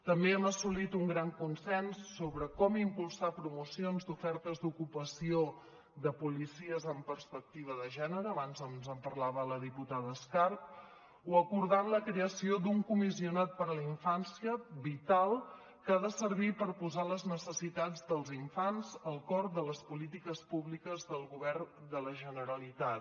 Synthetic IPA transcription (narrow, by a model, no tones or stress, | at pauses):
t̪əmbeəməsulit̪uŋɡɾaŋkunsɛnsːoβɾəkɔmimpulˠsapɾumusionzd̪ufɛɾt̪əzd̪ukupəsio | ðəpulisiəzəmpərspək̚t̪iβ̞əðəʒɛnəɾəːβanzəzəmpərlaβələðiput̪aðəːskarp̚ | uəkuɾðanləkɾeəsiod̪uŋkumisiunat̪̚pəɾləiɱfansiəβit̪alˠ | kaðəsəɾβ̞ipəɾpuzaləznəsəsit̪ad͡zd̪əlˠziɱfanzəlˠkɔɾd̪ələspulit̪ikəspuβlikəzðəlˠɣuβɛrd̪ələʒənəɾəlit̪at̪